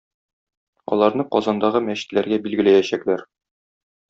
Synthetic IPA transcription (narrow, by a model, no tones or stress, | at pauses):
ɒ̰lˠɑɾnɤqɒzɑnd̪ɑʁɤmæɕɘ̥̆t̪læɾɡæbilɡɘ̆læjæɕæklæɾ